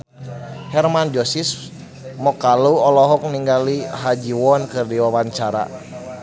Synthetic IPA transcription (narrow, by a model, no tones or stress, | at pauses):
hɛrmand͡ʒɔsis | mɔkaluɔlɔɦɔk̚niŋɡaliɦad͡ʒiwɔnkɨrdiwawaɲt͡ʃaɾa̰